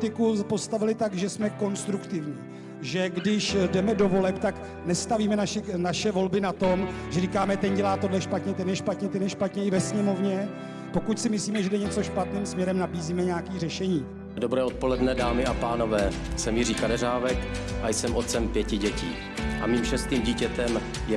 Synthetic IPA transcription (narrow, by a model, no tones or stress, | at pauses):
t̪ɪkupo̞st̪avɪlɪt̪aɡʒɛsmɛko̞nst̪ɾukt̪ɪvɲiː | ʒɛɡdɪʃdɛmɛdo̞vo̞lɛpt̪ak | nɛst̪aviːmɛnaʃɛnaʃɛvo̞lbɪnat̪o̞mʒɛɾikaːmɛt̪ɛnɟɛlaːt̪o̞dlɛʃpat̪ɲɛt̪ɛnjɛʃpat̪ɲɛt̪ɛnjɛʃpat̪ɲɛɪvɛsɲɛmo̞vɲɛ | po̞kucsɪmɪsliːmɛʒɛdɛɲɛt͡so̞ʃpat̪niːmsmɲɛɾɛmnabiːziːmɛɲaakiːrɛʃɛɲiː | dobɾɛːo̞t̪̚polɛdnɛdaːmɪʔapaːnovɛː | sɛmjɪɾiːkadɛɾaːvɛkʔajsɛmʔot̪̚t͡sɛmpjɛcɪɟɛcḭː | ʔamiːmʃɛst̪iːmɟiːcɛt̪ɛm | jɛ